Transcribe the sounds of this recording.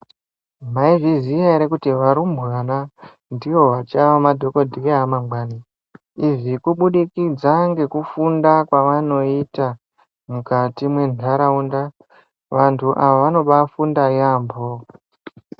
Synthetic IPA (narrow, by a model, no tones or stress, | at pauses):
maivizijaɾekutiʋaɾumbɣana | ndiwo̞ʋat͡ʃaʋamadʱo̞ko̞dʱiaɦamaŋɡani | iʐikuɓuɗikid͡zaŋɡe̞kufundakwaʋano̞ita | mukatimwe̞nʱaɾaunda | ʋantʰuʔaʋaʋano̞ɓafundajaːmbo